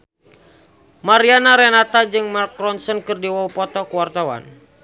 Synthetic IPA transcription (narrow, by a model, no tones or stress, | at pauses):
maɾianaɾɛnat̪ad͡ʒɨŋmarkɾɔnsɔnkɨrdiwaupɔt̪ɔkuwart̪awa̰n